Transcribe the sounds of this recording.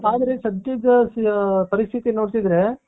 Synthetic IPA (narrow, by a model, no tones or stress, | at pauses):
aːd̪ɾesɐd̪ɐd̪ɐpɐɾist̪ʰit̪inːoːɽt̪id̪ɾe